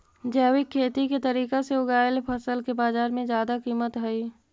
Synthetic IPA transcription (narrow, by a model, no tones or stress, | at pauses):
d͡ʒɛːwɪkʰːeːt̪iket̪ɐɾiːkaseʊɡaːjlpʰəsəlkebaːzaːɾmẽzjaːd̪akiːmət̪ɦɛi